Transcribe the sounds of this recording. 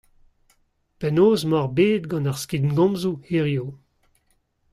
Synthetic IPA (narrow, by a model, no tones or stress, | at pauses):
pɛnoːzmɔʁbeːd̪̚ɡɑ̃naʁskid̪nɡɔ̃mzueʁjo